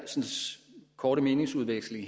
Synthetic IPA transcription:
sn̩skʰɒːɾ̥əme̝ːne̝ŋsuð̞ˠʋeɡ̥sl̩i

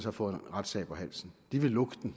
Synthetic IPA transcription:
sɒfɔ̰̽enʁad̥sɛ̰ːb̥ɒ̽ɦæl̰sn̩d̥iʋe̝lɔɡ̥d̥n̩

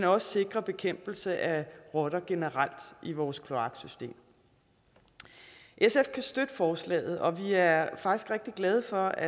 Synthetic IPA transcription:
menɒ̽sə̥se̝ɡ̥ʁɐb̥e̝kʰem̰b̥l̩səʔæʁɒ̽ɾ̥ɐɡ̥e̝nəʁal̰d̥ʔiʋɒːskʰlo̝ɑ̈ɡ̥sysd̥e̝̰ːm | ʔesefkʰæsd̥ød̥əfɒːslɛ̰ːð̞̩ˠɒ̽ʋiæɐfɑ̈ɡ̥isɡ̥ʁɛɡ̥̚d̥iɡ̥lɛð̞ˠəfɒ̽æ

